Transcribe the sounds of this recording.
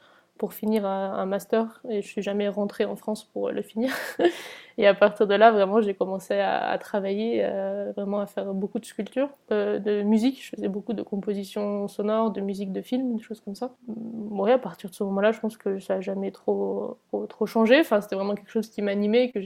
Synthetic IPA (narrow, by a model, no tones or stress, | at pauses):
puʁfiniʁɛ̃ɛ̃mast̪œʁeʒəsɥiʒamɛʁɑ̃t̪χeɑ̃fχɑ̃spuʁ̰lʔə̰finiːʁ | eapaʁt̪iʁd̪əlavʁɛmɑ̃ʒekɔmɑ̃sea̰a̰t̪χavajeøvʁɛmɑ̃afɛʁbokud̪əskʲylt̪yːʁød̪əmyzikʒ̥əfəzɛbokud̪əkɔ̃pozisjɔ̃sɔnɔʁd̪əmyzik̚d̪əfilmd̪əʃoz̥kɔmsawɛapaʁt̪iʁd̪əsəmɔmɑ̃laʒəpɑ̃skəsaːʒamɛt̪χot̪χot̪χoʃɑ̃ʒeɑ̃fɛ̃set̪ɛvʁɛmɑ̃kʲɛlkə̥ʃozkʲimanimɛkəʒ